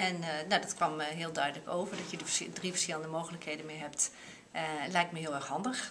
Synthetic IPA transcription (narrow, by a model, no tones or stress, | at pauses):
ɛnnodɔtkʋɑmɦɪəlˠdœɥdələkowvəɹdɑtjədədrivəɹsxɪlˠəndəmowxələkhejdənmɪɦɛpt | lɛjk̚tməɦɪəlˠɛɹxɦɑndəx